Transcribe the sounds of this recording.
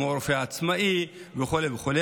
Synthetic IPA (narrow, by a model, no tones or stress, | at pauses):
ooɾfeaːt͡smaiveχoleveχole